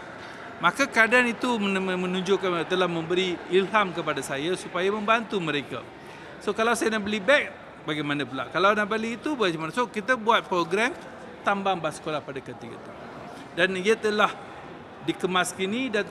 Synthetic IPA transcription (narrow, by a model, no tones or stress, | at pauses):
mãkakadanit̪uəəmə̃nuɲd͡ʒokant̪əlahmə̃mbəɾiilɦamkəpadasajasupajamə̃mbant̪uməɾeka̰ | sokalawsajanaʔbəlibɛk̚ | baɡajmanap̬ula̰ʔkalawnaʔbəliːt̪ubaɡaamanasokit̪abuat̪̚pɾoɡɾɛm | t̪ambaŋbasə̥kolahpadakət̪iɡə̰t̪a̰ | danijat̪əlah | dikəmaskinida